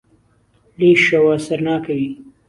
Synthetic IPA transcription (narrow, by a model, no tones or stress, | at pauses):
liʃawasaɾnɑːkawi